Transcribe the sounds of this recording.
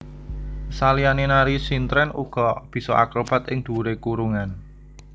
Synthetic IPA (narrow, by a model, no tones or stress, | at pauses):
salijanenaɾisint̪ɾɛnʔuɡ̥ɔ̤b̥i̤sɔʔa̰kɾob̥a̤t̪ɪŋd̪̥ṳɾekuɾuŋan